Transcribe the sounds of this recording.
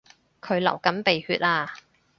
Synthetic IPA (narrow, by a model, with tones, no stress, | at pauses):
kʰɵ˨˧ɥlɐ̰˨˩wkɐ˨˥mpe˨jhyː˧t̚aː˧